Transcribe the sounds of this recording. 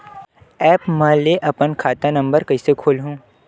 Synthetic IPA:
ɛːpmɛ̃leʔɐpənkʰaːt̪ãnɐ̃mbəɾkɐisekʰoːlɦũː

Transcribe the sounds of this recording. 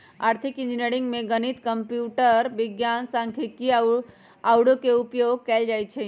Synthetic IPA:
aːɾt̪ʰikĩnd͡ʒineɾĩŋɡmẽɡənit̪kəmpjuʈəɾʋɪɡjansãŋkʰiki | awɽokeupjoɡ̚kɛld͡ʒajt͡ʃʰe

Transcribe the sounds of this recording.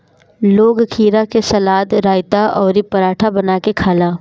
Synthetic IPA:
loːɡkʰiːɾakesɐlaːd̪ɾaːɪt̪aɔːɾipɐɾaːʈʰabɐnaːkekʰaːlaː

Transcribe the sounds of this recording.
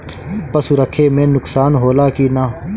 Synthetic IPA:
pɐsuɾəkʰemẽːnʊksaːnɦoːlaːkinaː

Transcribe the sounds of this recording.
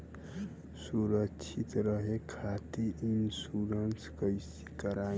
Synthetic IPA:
suɾəkt͡ʃʰit̪ɾəɦekʰat̪iʔinsuɾənskəɪsi̥kəɾa

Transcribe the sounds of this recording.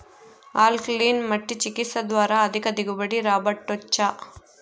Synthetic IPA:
aːlkliːnmɐʈːit͡ʃikit̪sɐd̪ʋaːɾɐːd̪ʱikɐd̪iɡubɐɽiɾaːbɐʈːɔt͡ʃːɐ

